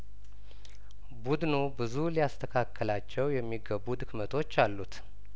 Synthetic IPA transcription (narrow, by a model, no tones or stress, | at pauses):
bud̪nubɨzulijast̪ʰəkʰakʰːəlat͡ʃːɛwjɛmːiɡəbːud̪ɨkmət̪ʰo̞t͡ʃːalːut̪